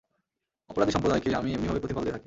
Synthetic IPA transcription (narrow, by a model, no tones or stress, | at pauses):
ɔpoɾad̪iʃɔmpɾod̪ʱajkeamiemnibʱabepot̪ifalt̪et̪ʰake̥